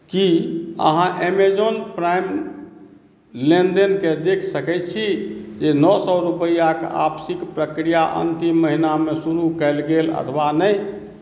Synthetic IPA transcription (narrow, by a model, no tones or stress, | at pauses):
kiə̰ɦãʔemed͡ʒonpɾajm | lenɖenked̪ekʰsəkɛt̪̚t͡ʃʰid͡ʒenɔsɔɾupəijaka̰bsikpɾəkɾijaʔə̰nt̪imːəɦinamesuɾukɛɪlɡelə̰t̪ʰʋanəj